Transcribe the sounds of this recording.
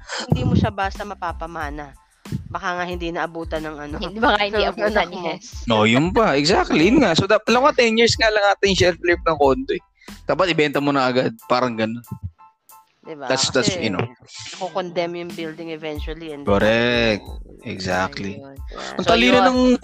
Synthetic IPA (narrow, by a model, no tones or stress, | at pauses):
hnd̪imoʃabast̪ɐmɐpaːpɐmaːnɐ | bɐkaŋahɪnd̪inɐʔɐbuːt̪ɐnɐŋʔɐnod̪iɐɪɐɐnnʔojʊnpɐʔɛɡzak̚t̪lijʊnŋaʔsod̪ɐt̪ɐlɐɐwat̪ɛnjiɹsŋalɐŋaːt̪ɪnjʊŋʃɛlflɪp̚nɐŋkond̪oʔɛ | t̪aːp̬ot̪ʔɪbɛnt̪ɐmonɐʔɐɡad̪̚paːɾɐŋɡɐnon | d̪ɪbad̪at̪sd̪at̪sɐno̰nɐkokond̪ɛmjʊŋbild̪ɪŋɛvɛnt͡ʃʊwɐliɛnkoɾɛk̚t̪̚ʔɛɡza̰k̚t̪liɐŋt̪ɐliːɾɐnɐŋ